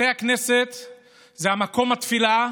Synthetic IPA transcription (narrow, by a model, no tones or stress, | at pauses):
ejakneset̪ | zeamako̞mat̪fila